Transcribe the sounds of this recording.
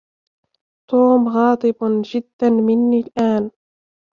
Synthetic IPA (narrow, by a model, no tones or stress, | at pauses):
t̪uːmɣɑːt̪ˤɨbd͡ʒɪd̪ːanmɪnːiːlʔaːn